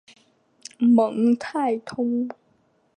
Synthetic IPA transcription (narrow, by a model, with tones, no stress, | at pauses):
mɤ˨˩˦ŋt̪ʰaː˥˩jt̪ʰo˧m